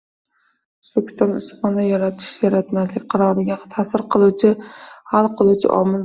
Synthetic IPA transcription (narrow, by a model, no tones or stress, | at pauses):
ozbekʲʰːɪst̪ɒnɪsχɒnajaɾat̪ʰɪ̥ʃjaɾat̪maslɪkʲqʰɑɾɒɾɪɡʲat̪ʰasɪɾqʰɨlˠuwt͡ʃʰɪhalˠqʰɨlˠut͡ʃʰɪ̰ʔɒ̰mɪl